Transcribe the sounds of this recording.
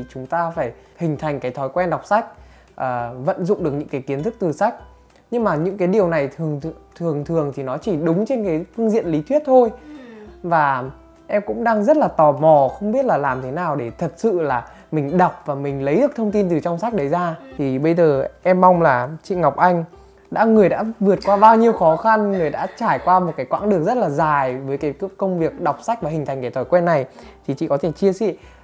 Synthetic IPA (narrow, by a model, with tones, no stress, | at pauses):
t͡ɕʊ˨˦ŋ͡mt̪aː˧faː˧˩j | hï˨˩ŋ̟t̪ʰa˨˩jŋ̟kaː˨˦jt̪ʰɔ˨˦jkwɛ˧nɗwk͡p̚sa˦˥jk̟̚ | ʔəː˨˩və̰˧˨nzʊ̰˧˨ŋ͡mɗɨ˨˩ək̚ɲɨ̰˧˥ŋkaː˨˦jki˨˦ənt̪ʰɨ˦˥k̚t̪ɨ˨˩sa˦˥k̟̚ | ɲɨ˧ŋmaː˨˩ɲɨ̰˧˥ŋkaː˨˦jɗi˨˩əwna˨˩jt̪ʰəŋt̪ʰɨ˨˩əŋt̪ʰɨ˨˩əŋt̪ʰi˨˩nɔ˨˦t͡ɕi˧˩ɗʊ˨˦ŋ͡mt͡ɕe˧nkaː˨˦jfɨ˧əŋzḭ˧˨ənli˨˦t̪ʰwi˦˥ət̚t̪ʰo˧j | vaː˨˩ | ʔɛ˧mkʊ̰˧˥ŋ͡mɗaː˧ŋzə˦˥t̚laː˨˩t̪ɔ˨˩mɔ˧˩xə˧wŋ͡mɓi˦˥ət̚laː˨˩laː˨˩mt̪ʰe˨˦naː˨˩wɗe˧˩t̪ʰə˨˩t̚sɨ̰˧˨laː˨˩ | mï˨˩ŋ̟ɗa˨˩wk͡p̚vaː˨˩mï˨˩ŋ̟lə˨˦jɗɨ˨˩ək̚t̪ʰwŋ͡mt̪i˧nt̪ɨ˨˩t͡ɕɔ˧wŋ͡msa˦˥jk̚ɗə˨˦jzaː˧t̪ʰi˨˩ɓə˧jzəː˨˩ʔɛ˧mːa˧wŋ͡mlaː˨˩t͡ɕḭ˧˨ŋa˨˩wk͡p̚ʔa˧jŋ̟ | ɗa̰ː˧˥ŋɨ˨˩əjɗa̰ː˧˥vɨ˨˩ət̚kwaː˧ɓaː˧wɲi˧əwxɔ˨˦xa˧nŋɨ˨˩əjɗa̰ː˧˥t͡ɕaː˧˩jkwaː˧mo˨˩kaː˨˦jkwa̰ː˧˥ŋɗɨ˨˩ək̚zə˦˥t̚laː˨˩zaː˨˩jvəː˨˦jkaː˨˦jkə˧wŋ͡mvi˨˩ək̚ɗa˨˩wk͡p̚sa˦˥jk̚vaː˨˩ɦi̟˨˩t̪ʰjŋ̟ka˧˩t̪ʰɔ˧˩jkwɛ˧nːa˨˩jt̪ʰi˨˩t͡ɕḭ˧˨kɔ˨˦t̪ʰe˧˩t͡ɕi˧əsḭ˧˨